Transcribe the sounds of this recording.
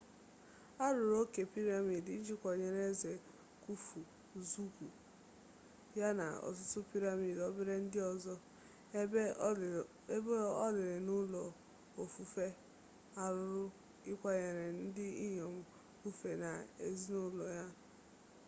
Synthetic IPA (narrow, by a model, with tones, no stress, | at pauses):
a˦ɾʊ˨ɾo˦ke˨pi˦ɾa˨mi˨dn̩˦d͡ʒi˦kʷɔ˨ɲe˨ɾe˦ze˨ | ku˦fu˨ | zu˦ku˨ | ja˦na̰˨ɔ̰˨zʊ˦sʊ˦pi˦ɾa˨mi˨dɔ˦bɪ˦ɾe˦n̩˦dɪ˦ɔ˨zɔ˦ | bɔ˦lɪ˨ɾɪ˨nʊ˦lɔ˨ | o˨fu˨fe˦ | a˦ɾʊ˨ɾʊ˦ | ɪ˦kʷa˦ɲe˨ɾe˨n̩˦dɪ˦i˦ɲɔ˨mʊ˨ | u˦fe˨na˨ḛ˨zi˦nʊ˦lɔ˨ja˦